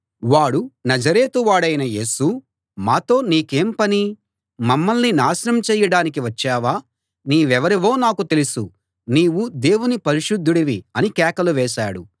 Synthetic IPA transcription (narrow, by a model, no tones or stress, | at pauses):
ʋaːɽunɐd͡ʒɐɾeːt̪uʋaːɽɐjnɐje̞ːsu | maːt̪o̞ːniːke̞ːmpɐni | mɐmːɐlninaːʃɐɾɐmt͡ʃɛːjɐɽaːnik̬iʋɐt͡ʃːɛːʋaː | niːʋɛʋɐɾiʋo̞ːnaːkut̪e̞lisṵ | niːwud̪e̞ːwunipɐɾiʂud̪ʱːuɽɐʋiɐnikɛːkɐluʋɛːʃa̰ːɽṵ